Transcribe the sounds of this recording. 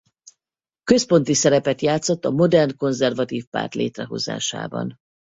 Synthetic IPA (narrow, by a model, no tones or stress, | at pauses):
køspo̞nt̪isɛɾɛpɛt̪jaːt̪so̞t̪ːɒmo̞d̪ɛrnko̞nzɛrvɒt̪iːfpa̰ːrt̪lḛːt̪rɛɦo̞̰za̰ːʃa̰ːbɒ̰n